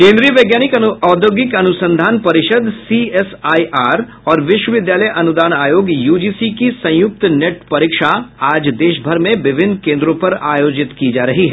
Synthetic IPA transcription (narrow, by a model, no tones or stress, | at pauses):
kẽːnd̪ɾijəʋeːɡjaːnɪkɐɔːd̪joːɡɪkɐnʊsə̃nd̪ʱaːnpɐɾɪʃəd̪siɛsaːiʔaːɾ | ɔːɾʋɪʃwəʋɪd̪jaːləjʔɐnʊd̪aːnaːjoːɡjuːd͡ʒisikisɐ̃jʊk̚t̪neʈpɐɾɪkʃaaːd͡ʒd̪eːʃbʱɐɾmẽʋɪʋʱɪnːkẽːnd̪ɾõpɐɾaːjoːd͡ʒɪt̪kid͡ʒaːɾɐɦiɦɛː